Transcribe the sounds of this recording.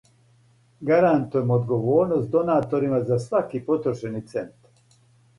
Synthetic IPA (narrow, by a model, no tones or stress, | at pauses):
ɡaɾant̪ujemoːd̪ɡoʋoːɾnost̪d̪o̞naːt̪o̞ɾimazasʋakipot̪ɾoʃenit̪se̞nt̪a